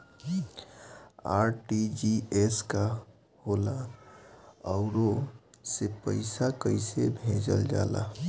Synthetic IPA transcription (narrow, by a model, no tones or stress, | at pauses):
aːɾʈid͡ʒieska | hola | ɔʊɾosepəɪsakəɪsebʱẽːd͡ʒə̰ld͡ʒa̰ːla̰